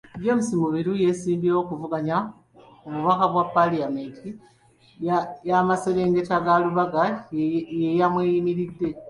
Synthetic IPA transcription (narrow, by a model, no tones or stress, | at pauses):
βjo̞ːmusimuβiɾuje̞siːmbieo̞kuvuɡaɲa | oβuβakaβwapːaliameti | ajamaseɾeːŋɡe̞taɡaluβaɡa | jejamwejimiɾidːe̞